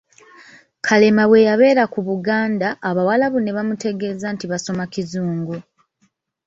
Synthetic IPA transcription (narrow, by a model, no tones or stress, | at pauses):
kʰale̞maβwe̞jaβe̞ːɾakuβuɡaːndaʔːβawalaβune̞βamute̞ɡe̞zantiβaso̞makizuːŋɡu